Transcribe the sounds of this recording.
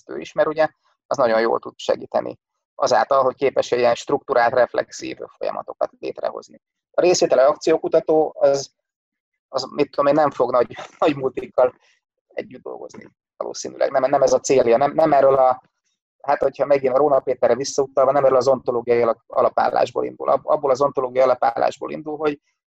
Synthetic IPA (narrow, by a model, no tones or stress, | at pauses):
t̪ø̰ːiʃmɛɾuɟɛ | ɛznɒɟo̞njo̰ːlt̪ud̪ʃɛ̰ɡiːt̪ɛ̰nʔḭ | ʔɒza̰ːlt̪ɒlɦo̞ckeːpɛʃɛiɛnʃt̪ruk̚t̪uɾʔaːlt̪rɛflɛ̰ksḭːvfo̞̰jɒ̰mɒ̰t̪o̞kɒt̪lḛːt̪rɛ̰ɦo̞̰zni | ɒɾeːsʋeːt̪ɛliɒkt̪sijoːkut̪ɒt̪oːɒz | ɒzmit̪ːolmeːnɛɱfo̞ɡnɒɟnɒɟmut̪ikːɒl | ɛ̰ɟːyd̪d̪o̞̰lɡo̞̰znḭ | vɒlo̰ːsiːny̰lʔɛ̰ɡnɛmnɛmɛzɒt̪seːlijɒnɛmnɛmɛrːølɒ | hat̪ho̞chɒmɛɡinɒɾoːnɒpeːt̪ɛrːɛvisːɒut̪ɒlvɒnɛmɛɾølɒzo̞nt̪o̞loːɡijɒjɒlɒkɒ̰lɒpa̰ːlːa̰ːʒbo̰ːlḭnd̪ṵlʔɒ̰bɒbːolɒzo̞nt̪oloːɡijɒjɒlɒpaːlːa̰ːʒbo̰ːlḭnd̪ulɦo̞ɟ